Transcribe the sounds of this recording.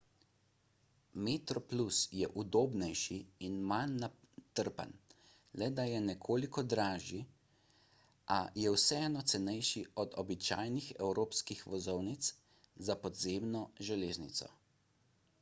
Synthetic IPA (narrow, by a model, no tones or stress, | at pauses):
met̪ɾɔplusjɛʔud̪oːbnɛjʃiːnmanːa | t̪əɾpa̰n | lɛd̪ajɛnɛkʰoːlikɔd̪ɾaːʒi | ʔajɛwsɛɛːnɔt̪sɛnɛjʃiɔd̪ɔbit͡ʃa̰ːjnixɛwɾoːpskixʋɔzɔwnit̪s | zapɔd̪zeːmnɔʒɛleːznit̪sɔ̰